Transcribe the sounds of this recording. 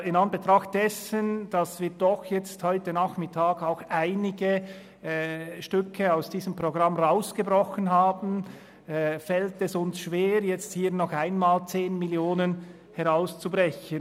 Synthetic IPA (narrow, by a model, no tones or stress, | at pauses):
ɪnanbətʁ̥ɑxt̚d̥ɛsənd̥asviːɾd̥ɔxjɛt͡sthɔʏtənaːxmɪtʰaːɡaʊxaɪnɪɡə | ʃtʏkʰəaʊsd̥iːzəmpʁ̥oɡʁɑmʁaʊsɡ̥əbʁɔxənɦaːbn̩ː | fɛltɛsʊnsʃv̥eːɾjɛt͡sthiːɾnɔxaɪnmaːlt͡seːnmiljoːnən | hɛʁaʊst͡subʁɛçən